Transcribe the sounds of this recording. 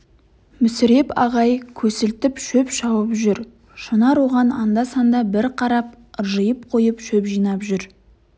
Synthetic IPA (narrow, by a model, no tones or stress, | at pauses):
mɪsɪɾe̞pɑʁɑjkʲʰɵsɪlt̪ɪpʃɵpʃɑwəpʒʏɾ | ʃənɑɾwo̞ʁɑnɑnd̪ɑsɑnd̪ɑbɪɾqʰɑɾɑp̚ | ʒəjəp̚qʰo̞jəpʃɵpʒijnɑpʒʏɾ